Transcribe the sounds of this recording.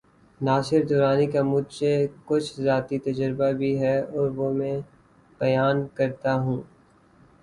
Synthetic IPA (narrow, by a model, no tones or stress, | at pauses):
naːsɪɾd̪ʊːɾaːnikamʊd̪sekʊt͡ʃʰzaːt̪it̪ɐd͡ʒəɾbabʱiɦɛɔːɾʋomɛ̃ | b̥ɐjaːnkɐɾt̪aɦũː